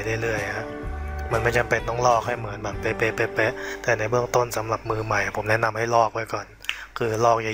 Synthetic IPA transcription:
jdaː˥˩˨jlɯ˥˩əja˦˥ʔma˧˥˩nm˧˥˩t͡ɕa˧pe˨˩t̪̚nɔː˧˥˩ŋlɔː˥˩k̚ha˥˩jmɯ˩˦ənbaː˨˩npe˧˥pe˧˩pe˧˥pe˦˥t̪ɛː˨˩na˧jbɯ˥˩əŋt̪o˥˩nsa˩˦mla˨˩p̚mɯː˧ma˨˩jpʰo˩˦mnɛ˦˥ʔna˧mha˥˩jlɔː˥˩k̚wu˥˩əjkɔː˨˩n | kʰɯː˧lɔː˥˩k̚ja˧

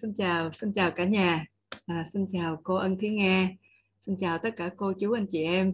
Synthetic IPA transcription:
si˧nt͡ɕaː˨˩wsi˧nt͡ɕaː˨˩wkaː˧˩ɲaː˨˩ | ʔaː˨˩si˧nt͡ɕaː˨˩wko˧ʔə˧nt̪ʰi˨˦ŋaː˧ | si˧nt͡ɕaː˨˩wt̪ə˦˥t̚kaː˧˩ko˧t͡ɕu˨˦ʔa˧jnt͡ɕi˧˨˩ʔɛ˧m

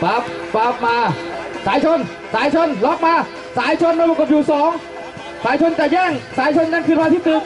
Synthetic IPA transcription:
baː˨˦˩p̚paː˦˩p̚maː˧saː˨˦jt͡ɕʰo˧n | saː˨˦˥jt͡ɕʰo˧nlɔ˦˥p̪̚maː˧ | saː˨˦jt͡ɕʰo˧nmaː˧pbo˨˩koː˨˩p̚juː˨˩sɔː˨˦ŋ | saː˨˦jt͡ɕʰo˧nt͡ɕ̪ɛː˨˩jɛː˥˩ŋsaː˨˦jt͡ɕʰo˧nːaː˧˩nkʰɯː˧˩pʰaː˧t̪ʰiː˧˩t̪ɯː˨˩m

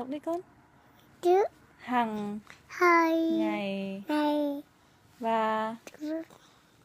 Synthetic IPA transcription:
k̚ɗi˧˦kɔ˧˦n | t͡ɕɨ˦ | ha˨˩ŋhəː˧jŋa˨˩jŋa˨˩j | vaː˨˩˨

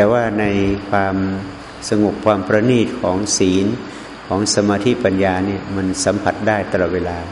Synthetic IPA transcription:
t̪ɛː˨˩waː˥˩na˧jkʰwaː˧m | sa˧ŋo˨˩p̚kʰwaː˧mpɾa˧niː˥˩t̪̚kʰɔː˩˦ŋsiː˩˦n | kʰɔː˩˦ŋsa˧maː˧t̪ʰiː˥˩pa˧njaː˧ni˥˩ɐma˧nsa˩˦mpʰa˨˩t̪̚daː˥˩jt̪a˧lɔː˨˩weː˧laː˧

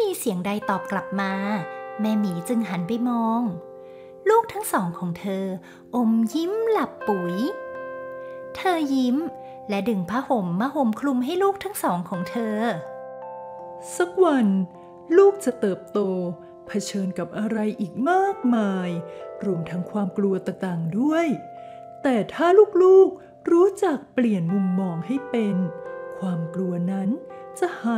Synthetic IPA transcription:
miː˧si˨˩˦əŋda˧jt̪ɔː˨˩p̚kla˨˩p̚maː˧mɛː˧miː˩˦t͡ɕɯ˧ŋɦa˩˦npa˧jmɔː˧ŋ | luː˥˩k̚t̪ʰa˦˥ŋsɔː˩˦ŋkʰɔː˩˦ŋt̪ʰɤː˧ | ʔo˧mji˦˥mla˨˩pːu˨˩˦j | t̪ʰɤː˧ji˦˥m | lɛ˦˥dɯ˨˧˩ŋpʰa˦˥ho˨˩˦mːa˧˥ho˨˦mkʰlu˧mɦa˥˩jluː˥˩k̚t̪ʰa˦˥ŋsɔː˩˦ŋkʰɔː˩˦ŋt̪ʰɤː˧ | sa˦˥k̚wa˧n | luː˥˩k̚t͡ɕa˨˩ʔt̪ɤː˨˩p̚t̪oː˧ | pʰa˧t͡ɕʰɤː˧nka˨˩p̚ʔa˧ɾa˧jʔiː˨˩k̚maː˥˩k̚maː˧jɾuː˧əmt̪ʰa˦˥ŋkʰwaː˧mklu˧ɐt̪a˨˩t̪aː˨˩ŋdu˥˩əj | t̪ɛː˨˩t̪ʰaː˥˩luː˥˩k̚luː˥˩k̚ | ɾuː˦˥t͡ɕa˨˩k̚pli˨˩ənmu˧mːɔː˧ŋɦa˥˩jpe˧nkʰwaː˧mklu˧ɐna˦˥nt͡ɕa˨˩haː˨˦

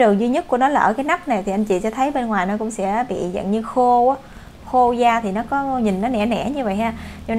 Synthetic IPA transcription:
ɨ˨˩əŋzwi˧ɲə˦˥t̚ku˧˩ənɔ˨˦laː˨˩ʔəː˧˩kaː˨˦jna˦˥k͡p̚na˨˩jt̪ʰi˨˩ʔa˧jŋt͡ɕḭ˧˨˩ɛ˧t̪ʰə˨˦jɓe˧nŋwaː˨˩jnɔ˨˦kʊ̰˧˥ŋ͡msɛ̰˧˥˦ɓḭ˧˨zə̰˧˨nɲɨ˧xo˧ʔaː˨˦ | xo˧zaː˧t̪ʰi˨˩nɔ˨˦kɔ˨˦ɲi˨˩nːnɔ˨˦nɛ̰˧˩nɛ̰˧˩ɲɨ˧və̰˧˨jɦaː˧ɲa˧

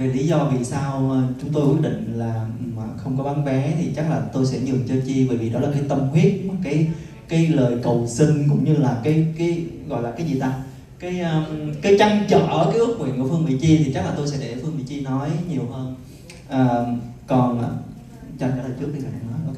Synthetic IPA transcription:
i˨˩li˨˦zɔ˧vi˨˩saː˧wəː˨˩t͡ɕʊ˨˦ŋ͡mt̪o˧jkwi˦˥ət̚ɗḭ˧˨ŋ̟laː˨˩maː˨˩xə˧wŋ͡mkɔ˨˦ɓa˨˦nvɛ˨˦t̪ʰi˨˩t͡ɕa˦˥k̚laː˨˩t̪o˧jsɛ̰˧˥ɲɨ˨˩əŋt͡ɕəː˧t͡ɕi˧vəː˧˨˩jvḭ˨˩ɗɔ˨˦laː˨˩kaː˨˦jt̪ə˧wŋ͡mhwi˦˥ət̚mɔ˨˩kaː˨˦j | kaː˨˦jləː˨˩jkə˨˩wsï˧ŋ̟kʊ̰˧˥ŋ͡mɲɨ˧laː˨˩kaː˨˦jkaː˨˦jɣɔ̰˧˨jlaː˨˩kaː˨˦jzi˨˩t̪aː˧ | kaː˨˦jʔəː˧kaː˨˦jt͡ɕa˧ŋt͡ɕə̰ː˧˨˧kaː˨˦jʔɨ˦˥k̚ŋwḭ˨˩ənku˧˩əfɨ˧əŋɓḭ˧˨t͡ɕi˧t̪ʰi˨˩t͡ɕa˦˥k̚laː˨˩t̪o˧jsɛ̰˧˥ɗḛ˧˩˧fɨ˧əŋmvḭ˧˨t͡ɕi˧nɔ˨˦jɲi˨˩əwhəː˧n | ʔəː˨˩kɔ˨˩nː˨˩ | t͡ɕɔ˧aː˨˦t̪ʰəː˨˩t͡ɕɨ˦˥əɗi˧˩tʰa˨˩˨a̰˧˨˩nɔ˨˦jʔɔ̰˧˩kː

